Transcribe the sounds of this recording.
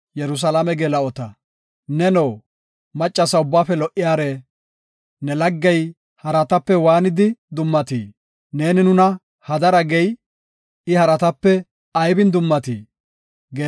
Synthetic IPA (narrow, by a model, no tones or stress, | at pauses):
jɛɾʊs̬ɐlɐmɛɡɛlɐɔt̪ɐ | nɛnoː | mɐt͡ʃʼːɐsɐʊbːaːfɛlɔʔɪjaːɾɛ | nɛlɐɡːɛj | hɐɾɐt̪ɐpːɛwaːnɪd̪ɪd̪ʊmːɐt̪ḭː | ne̞ːnɪnʊnɐ | hɐd̪ɐɾɐɡɛj | ɪhɐɾɐt̪ɐpːɛ | ɐjbɪnd̪ʊmːɐt̪ḭː | ɡɛ